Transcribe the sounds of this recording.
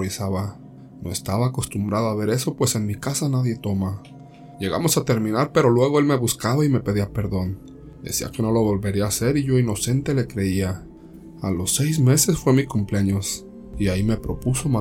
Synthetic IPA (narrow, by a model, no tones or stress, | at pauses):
ɾisaβa | no̞est̪aβaːko̞st̪umbɾaðoaβe̞ɾe̞so̞pwe̞se̞nmikasanaðje̞t̪o̞ma | ʝe̞ɣa̰mo̞sat̪e̞ɾmĩnaɾpe̞ɾo̞lwe̞ɣ̞o̞e̞lme̞βuskaβaime̞pe̞ðiape̞ɾðo̞n | d̪ḛsia̰ke̞no̞lo̞βo̞lβe̞ɾiaːse̞ɾiʝo̞ino̞se̞nt̪e̞le̞kɾe̞ia | alo̞se̞jzme̞se̞sfwe̞mikumpleɲos | iaime̞pɾo̞puso̞ma